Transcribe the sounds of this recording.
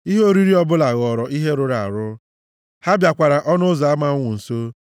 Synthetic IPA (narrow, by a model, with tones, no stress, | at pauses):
i˦ɦe˦o˦ɾi˦ɾi˦ɔ˦bʊ˦la˨ɣɔ˨ɾɔ˨ʔi˦ɦe˦ɾʊ˦ɾa˨a̰˨ɾʊ˦ | ha˦bja˨kʷa˨ɾa˨ʔɔ˦nʊ˦za˨a˦ma˨ʊ˦ŋʷʊ˨n̩˨so˦